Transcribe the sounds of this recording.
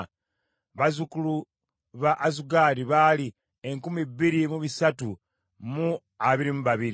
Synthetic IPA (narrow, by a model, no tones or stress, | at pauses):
βazukulu | βaʔːzuɡaɾiβaːli | eŋkumibːiɾimuβisatu | mu | aβiɾimuβaβiɾi